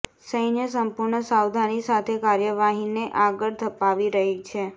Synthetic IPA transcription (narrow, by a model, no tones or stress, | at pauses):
səjnjəsəmpʊɾɳəsawd̪ʱanisat̪ʰekaɾjəʋaɦineʔaɡəɭd̪ʰʱəpaʋiɾəɦit͡ʃʰe